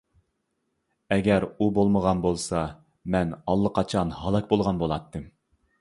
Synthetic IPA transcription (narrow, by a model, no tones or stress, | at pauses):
ɛɡʲɛɾubolˠməʁɑnbolˠsɑ | mɛnɑlˠːəqʰɑt͡ʃʰɑnhɑlˠɛk̚ʲbolˠʁɑnbolˠɑt̪ʰːɨm